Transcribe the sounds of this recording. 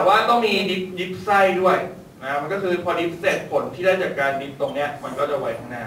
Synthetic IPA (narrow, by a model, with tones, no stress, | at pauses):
ɛ˨˩waː˥˩t̪ɔ˥˩ŋmiː˧di˦˥p̚di˦˥p̚sa˥˩jdu˥˩əj | na˦˥ma˧nkɔː˥˩kʰɯː˧pʰɔː˧di˦˥p̚se˦˩t̪̚pʰo˩˦nt̪ʰiː˥˩daː˥˩jt͡ɕaː˨˩kːaː˧ndi˦˥p̚t̪o˧ŋni˦˥ɐma˧nkɔː˥˩t͡ɕa˨˩wa˨˦jt̪ʰa˥˩ŋnaː˧˩